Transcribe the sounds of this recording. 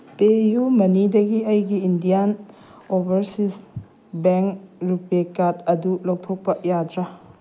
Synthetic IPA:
pejumɐnidɐɡiɐjɡiːndijan | obʱɐɾsis | beŋɾupekadɐdulowtʰok̚pɐjadɾa

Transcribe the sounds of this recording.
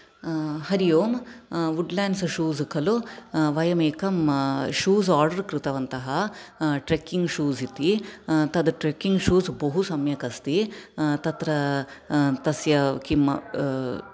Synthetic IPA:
hɐɾijoːmʋuɖlaːnsʃuːzkʰɐluʋɐjɐmeːkɐmʃuːzaːɾɖɐɾkɾɪt̪ɐʋɐnt̪ɐɦɐʈɾekːiŋɡʂuːzit̪it̪ɐd̪ʈɾekːiŋɡʂuːzbɐɦusɐmjɐkɐst̪it̪ɐt̪ɾɐ | t̪ɐsjɐkimɐ̰

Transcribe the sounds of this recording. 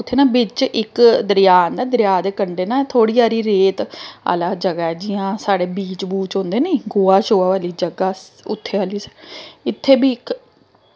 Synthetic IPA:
ʊt̪ʰːeːnaːbɪt͡ʃʔɪkd̪əɾɪjaːnd̪aːd̪əɾjaːd̪eːkəɳɖeːnãːt̪ʰoːɽiːaːɾiːɾeːt̪a̰laːd͡ʒəɡaːɛːd͡ʒɪːãːsaːɽeːbiːt͡ʃbuːt͡ʃõːnd̪eːnẽiɡoːaːt͡ʃoːaːʋaːliːd͡ʒəɡaː | ʊ̰t̪ʰːeːaːliːsɪt̪ʰːeːbiːɪk

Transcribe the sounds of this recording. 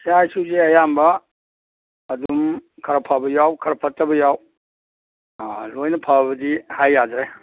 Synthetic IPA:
sajsuzeɐjambɐ | dumkʰɐɾɐpʰabɐjawkʰɐɾpʰɐtːɐbɐjaw | lojnɐpʰabɐdihajːadɾe

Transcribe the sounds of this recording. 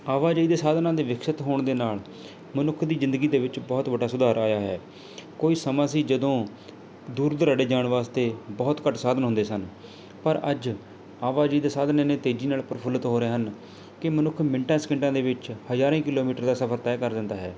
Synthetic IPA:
aːʋaːd͡ʒəiːd̪eːsaːd̪nãːd̪eːʋɪkʰʃɪt̪ɦoːɳd̪eːnaːl | mənʊkʰːd̪iːzɪnd̪əɡiːd̪eːʋɪt͡ʃbɔːt̪bəɖaːsʊd̪aːɾaːjaːɦɛː | koːiːsəmãːs̬iːd͡ʒəd̪õː | d̪uːɾd̪əɾaɽɖeːd͡ʒaːɳʋaːst̪eːbɔːt̪kəʈsaːd̪ənɦʊ̃nd̪eːsən | pəɾəd͡ʒ | aːʋaːd͡ʒəiːd̪eːsaːd̪neːneːt̪eːd͡ʒiːnaːlpəɾəpʰʊlət̪ɦoːɾeːɦən | kɪmənʊkʰːmɪɳʈãːsə̥kɪɳʈãːd̪eːʋɪt͡ʃhəzaːɾẽːkɪloːmiːʈəɾd̪aːsəpʰəɾt̪ɛːkəɾd̪ɪnd̪aːɦɛː

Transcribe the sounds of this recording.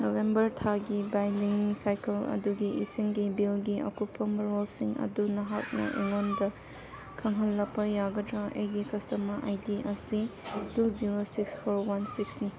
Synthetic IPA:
nowembɐɾtʰaɡibajliŋsajkɐlɐ̰duɡiʔisiŋɡibilɡiʔɐ̰kupːɐmɐɾolsiŋɐ̰dunɐɦak̚nɐ̰ʔeŋondɐ | kʰɐŋɦɐlːɐpːɐjaɡɐtɾɐʔejɡikɐstɐmɐʔajdiʔɐsiduziɾosikspʰoɾwansiksni

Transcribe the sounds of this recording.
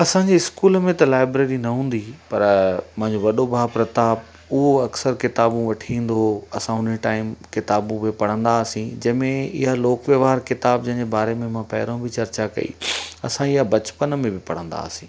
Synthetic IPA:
ɐsãːɲd͡ʑiɪskuːlmẽt̪ɐlaːɪbɾeːɾinɐɦũːn̆d̪ipɐɾmɐ̃ɦɪ̃ɲd͡ʑoʋɐɗobʱaːpɾɐt̪aːb̚ | ʊɦoɐksəɾkɪt̪aːbũʋɐʈʰiĩːn̆d̪oɐsãɦʊnʈaːɪmkɪt̪aːbũbɪpɐɽ̤ə̃nd̪aːsĩd͡ʑɐ̃ɦɪ̃mẽɪ̰ɦaloːkʋjəʋaːɾkɪt̪aːb̚d͡ʑɐ̃ɦɪ̃ɲd͡ʑebaːɾemẽmãpɛ̰ːɪɾõbɪt͡ɕɐɾt͡ɕakɐ̰ḭɐsãɪɦabɐt͡ɕpənmẽbɪpɐɽ̤ə̃nd̪a̰ːsĩː

